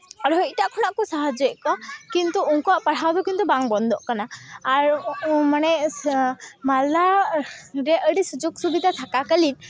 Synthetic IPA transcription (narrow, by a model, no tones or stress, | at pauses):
aɾɦɔjʈaʔkʰɔnaʔkɔsaɦad͡ʒɛʔkɔkint̪uuŋkɔaʔpaɽ̤awd̪ɔkint̪ubaŋbɔnd̪ɔʔkanaːɾmanɛ | mala | ɾɛʔəɽisud͡ʒoɡsubid̪ʱat̪ʰakakəlin̚